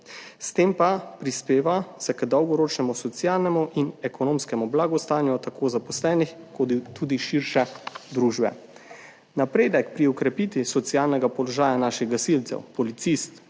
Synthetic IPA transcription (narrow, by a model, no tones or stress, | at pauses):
st̪eːmpapɾispeːʋasɛkd̪ɔwɡɔɾoːt͡ʃnɛmusɔt̪sjaːlnɛmuʔinɛkɔnoːmskɛmɔblaːɡɔst̪aːnjɔt̪akʰoːzapɔslɛːnixkot̪uːd̪iʃiɾʃɛd̪ɾuːʒbɛ̰ | napɾeːd̪ɛkpɾiɔkɾɛpiːt̪ʋisɔt̪siaːlnɛɡapɔlɔʒaːjanaːʃɛɣɡasilt̪sɛ̰wpɔlit̪sist̪